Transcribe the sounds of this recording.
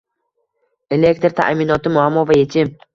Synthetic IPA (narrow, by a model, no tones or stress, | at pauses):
e̞le̞kt̪ɾt̪ʰa̰ʔmɪnɒt̪ɪmʊamːɒvajet͡ʃʰɪm